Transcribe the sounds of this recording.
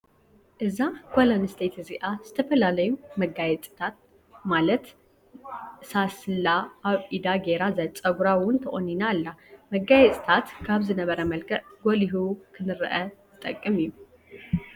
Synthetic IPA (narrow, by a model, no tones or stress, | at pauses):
ʔɨzakʰʷolɐnɨst̪ʰet̪ʰziʔaz̥ɨt̪ʰɐfɐlalɐjumɐɡajɛt͡sʼt̪ʰat̪̚ | malɐt̪ | sasɨlːaʔːβʔid̪aɡe̞ɾazajt͡sʼɐɡuɾawʊnt̪ʰɐʔʼoninalːamɐɡajɛt͡sʼt̪ʰat̪kʰaβzɨnɐβɐɾɐmɐlkʰɐʕɡoliɦukʰɨnɨɾɐʔɐzɨt̪ʼɐkʼːɨmɨjːu